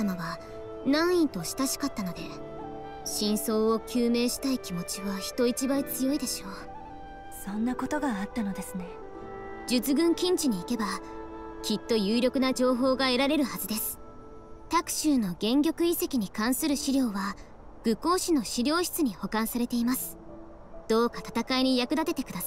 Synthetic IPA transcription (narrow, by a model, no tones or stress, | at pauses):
amaβa | nãɰ̃ĩnt̪o̞ɕi̥t̪aɕi̥kat̪ːano̞d̪e̞ | ɕĩɰ̃so̞ːokʲɨːme̞ːɕi̥t̪aikʲimo̞t͡ɕiβaçi̥t̪o̞it͡ɕibait͡sɨjo̞id̪e̞ɕo̞ː | sõ̞nːako̞t̪o̞ɡaːt̪ːano̞d̪e̞sɨne̞ | d͡ʑɨt͡sɨɡɯ̟̃ŋkʲĩɲ̟t͡ɕiɲ̟iːke̞ba | kʲit̪ːo̞jɯːɾʲjo̞kɯ̟nad͡ʑo̞ːɦo̞ːɡae̞ɾaɾe̞ɾɯ̟hazɨd̪e̞sɨ̥ | t̪akɯ̟̥ɕɨːno̞ɡẽ̞ŋɡʲo̞kɯ̟ise̞kʲiɲ̟ikãɰ̃sɨɾɯɕiɾʲjo̞ːβa | ɡ̥ɯ̟ko̞ːɕino̞ɕiɾʲo̞ːɕi̥t͡sɨɲ̟iho̞kãɰ̃saɾe̞t̪e̞imasɨ̥ | d̪̥o̞ːkat̪at̪akaiɲ̟ijakɯ̟d̪at̪e̞t̪e̞kɯ̟d̪asa